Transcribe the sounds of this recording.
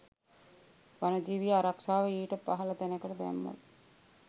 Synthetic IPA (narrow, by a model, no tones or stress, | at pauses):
ʋanəd͡ʒiːʋijaaɾaksaːʋəiːʈəpaɦɐlət̪ænəkəʈəb̪æ̰mːə̰l